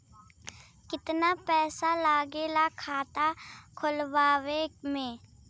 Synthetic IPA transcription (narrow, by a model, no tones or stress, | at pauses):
kɪt̪napɛːsalaːɡelakʰaːt̪akʰʊlʋaːwemẽː